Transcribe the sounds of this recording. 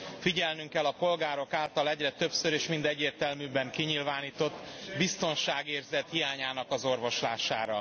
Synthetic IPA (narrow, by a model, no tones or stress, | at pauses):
fiɟɛlnyŋkɛlːɒpo̞lɡaːɾo̞kaːlt̪ɒlɛɟrɛt̪ø̞psøɾeːʃmind̪ɛɟːeːrt̪ɛlmyːbɛŋkiɲilvaːniːt̪o̞t̪ːbist̪o̞nʃaːɡeːrzɛt̪hijaːɲaːnɒkɒzo̞rvo̞ʃla̰ːʃa̰ːɾɒ